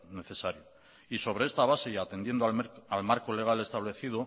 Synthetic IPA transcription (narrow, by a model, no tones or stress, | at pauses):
ne̞θe̞saɾjo | iso̞βɾe̞e̞st̪aβ̞ase̞iat̪e̞nd̪je̞nd̪oalmaɾko̞le̞ɣ̞ale̞st̪aβle̞θið̞o